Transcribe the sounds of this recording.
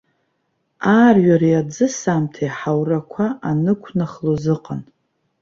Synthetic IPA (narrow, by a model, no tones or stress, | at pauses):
aːrɥaɾiad͡zɨsamtʰajħawrakʷʰaʔanɨkʷʰnaχlozɨqʼan